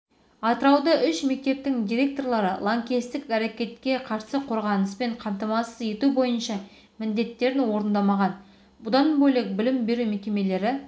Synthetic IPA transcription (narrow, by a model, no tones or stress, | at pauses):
ɑt̪əɾɑwd̪ɑʔʏʃme̞k̚t̪e̞p̚t̪ɪŋd̪ʲiɾʲe̞k̚t̪o̞rlˠɑɾə̰lˠoŋkʲist̪ɪkæɾe̞kʲe̞t̪kʲe̞qʰɑɾsəqʰo̞ɾʁɑnəspe̞ɴqʰɑmt̪ɑmɑsəze̞t̪ubo̞jənʃɑ | mɪnd̪e̞t̪ːe̞ɾɪnwo̞ɾənd̪ɑmɑʁɑn | bʊd̪ɑnbɵjle̞k̚bɪlɪmbe̞ɾume̞kʲe̞me̞le̞ɾɪ